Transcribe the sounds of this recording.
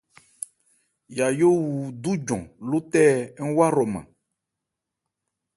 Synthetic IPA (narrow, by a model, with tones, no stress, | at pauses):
ja˨jo˦wu˨d̪u˦d͡ʒɔ̰̃˨lu˦t̪ɛ˦ŋ̩˦wa˦ɾɔ˨mã̰˨